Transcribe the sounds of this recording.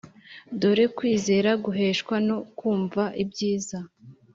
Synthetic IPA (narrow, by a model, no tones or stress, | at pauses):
doɾe̞kwiːze̞ːɾaɡuɦe̞ːʃkwano̞kuːɱvaʔibɟiːza